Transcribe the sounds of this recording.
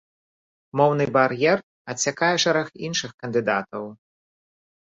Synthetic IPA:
mɔwnɨbaɾjɛr | ɐt͡sʲːakajɛʂɛɾɐxinʂɨxkɐnd̪ɨd̪at̪ɐw

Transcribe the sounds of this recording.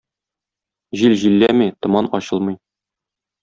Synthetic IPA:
ʑilʑilːæmit̪ŏmɑnɒɕɤlˠmɤ̆j

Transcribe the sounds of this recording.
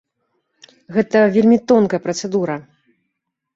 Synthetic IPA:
ɣɛt̪ɐvʲelʲmʲit̪ɔnkɐjɐpɾɐt̪sɛd̪uɾɐ

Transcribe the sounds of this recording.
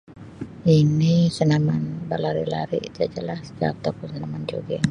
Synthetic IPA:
inisənamanbalaɾḭla̰ɾḭd͡ʒad͡ʒalahsd͡ʒa̰t̪akusənamand͡ʒoɡɛŋ

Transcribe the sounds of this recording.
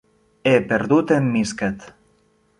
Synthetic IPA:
epeɾðut̪emːiskat̪

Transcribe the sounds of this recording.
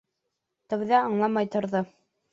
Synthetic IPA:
t̪ɘ̆wðæɑɴlˠɑmɑjt̪ŏɾðo

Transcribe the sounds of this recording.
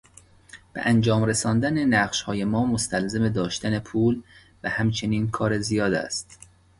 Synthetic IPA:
b̥eʔænd͡ʒɒːmɾesɒːnd̪ænenæɢʃhɒːjemɒːmost̪ælzemed̪ɒːʃt̪æne̞pʰuːl | væhæmt͡ʃʰe̞niːnkʰɒːɾezijɒːd̪æ̰st̪

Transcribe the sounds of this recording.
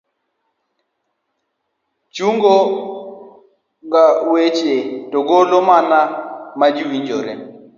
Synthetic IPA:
t͡ʃuŋɡɔ | ŋɡawet͡ʃetɔɡɔlɔmanamad͡ʒiwiɲd͡ʒɔɾɛ

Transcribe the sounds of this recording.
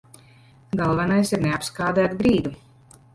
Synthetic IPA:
ɡalˠvanajsiɾneapskaːd̪æt̪bɾiːd̪u

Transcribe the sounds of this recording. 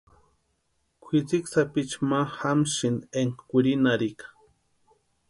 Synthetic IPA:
kʷʰit͡siksapit͡ʃmahamʃineŋkkʷuɾinaɾikḁ

